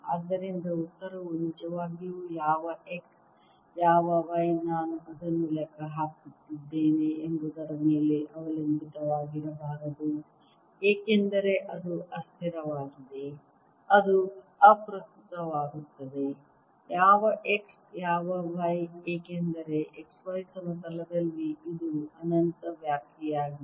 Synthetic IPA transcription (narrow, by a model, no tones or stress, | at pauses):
a̰ːd̪ːɐɾind̪ɐut̪ːɐɾɐʋunit͡ʃɐʋaːɡijujaːʋɐʔeks | jaːʋɐʋɐjnaːnuʔɐd̪ɐnːulɛkʰɐɦaːkut̪ːid̪ːe̞ːneembɐd̪ɐɾɐmeːleʔɐʋɐlɐmbit̪ɐʋaːɡiɾɐbaːɾɐd̪u | eːkend̪ɐɾe̞ʔɐd̪uɐst̪ʰiɾɐʋaːɡid̪e | ɐd̪u | ɐpɾɐst̪ut̪ɐʋaːɡut̪ːɐd̪e̞ | jaːʋɐʔeks | jaːʋɐʋɐjeːkend̪ɐɾe̞ʔeksʋɐjsɐmɐsɐlɐd̪ɐlːiid̪uɐnɐnt̪ɐʋjaːkjɛjaːɡi